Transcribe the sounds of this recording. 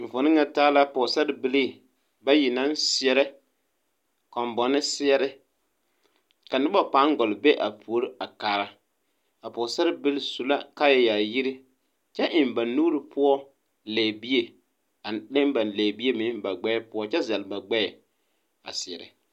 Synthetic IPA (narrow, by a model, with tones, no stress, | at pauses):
ɱ̩˨vʊ˨nɪ˦ŋa˦taː˦la˦pɔː˨sa˦ɾɪ˦bɪ˦liː˦˨ | ba˦ji˨na˦n˦sɪ˦ɛ˨ɾɛ˦ | kɔ˨mbɔ˨nɪ˦sɪ˦ɛ˦ɾɪ˦ | ka˨nɪ˦ba˦pa˨˦ŋ˦ɡɔ˨lbe˦ʔa˨pʰu˨o˦ɾɪ˦a˨kaː˨ɾa˨ | a˨pɔ˨sa˦ɾbɪ˦lsu˨la˦ka˦jɛ˨ja˨ji˦ɾɪ˦ | t͡ʃɛ˦ʔɪ˨m˨ba˨nuː˦ɾɪ˨pʰʊ˦ɔ˦ | lɛ˨bi˦e˨ | a˨le˦m˦ba˨n˨lɛ˨bi˦e˦mɪ˨˦ba˨ɡ͡bɛ˦pʊ˦ɔ˦t͡ʃɛ˦zɛ˨lba˨ɡ͡bɛ˦ɛ˨ | a̰˨sɪ˨ɛ̰˨ɾɛ̰˨